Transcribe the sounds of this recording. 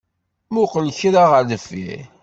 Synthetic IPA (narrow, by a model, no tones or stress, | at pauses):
mʊqəlçɾaʁəðəfːḭ